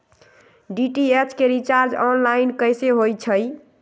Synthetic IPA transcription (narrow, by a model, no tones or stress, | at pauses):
ɖiʈiet͡ʃʰkeɾit͡ʃaɾd͡ʒɔnlajinkəjseɦojt͡ʃʰəj